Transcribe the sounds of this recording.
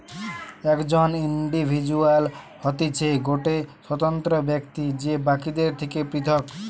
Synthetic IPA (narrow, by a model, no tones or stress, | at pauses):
ɛkd͡ʑoniɳɖibʱid͡ʑual | hɔt̪it͡ɕʰeɡoʈeʃwɔt̪ɔnt̪ɾobɛkt̪id͡ʑebakid̪eɾt̪ʰekepɾit̪ʰɔk